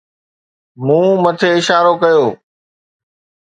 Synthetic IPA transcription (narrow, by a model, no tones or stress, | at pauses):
mũːmət̪ʰeːɪʃaːɾoːkɐjoː